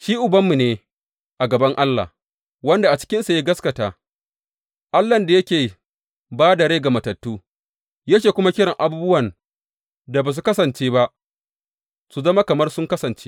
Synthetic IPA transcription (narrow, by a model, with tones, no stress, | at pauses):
ʃiː˦ʔʊ˨bɐ˦mːu˨neː˨ | ʔa˨ɡɐ˨bɐ˦ŋʔa˦lːa̰˨ | wɐ˦nda˨ʔa˨t͡ʃɪ̥˦kʲɪ˦nsa˨ja˦ɡɐ˦skɐ˨taː˨ | ʔa˦lːɐ˨nda˨jɐ˦kʲeː˨ | baː˦da˨ɽeː˦ɡa˨mɐ˨tɐ˨tːuː˦ | jaː˦t͡ʃeː˨kʷʊ˦ma˦kʲɪ˦ɽɪ˨ŋʔa˨buː˦bʊ˦wɐ˨n | da˨baː˨s̬u˨kɐ˦sɐ˨nt͡ʃeː˦ba˦ʔ | su˨zɐ˦ma˦kɐ˨mɐ˦rsʊ˦ŋkɐ˦sɐ˨nt͡ʃeː˦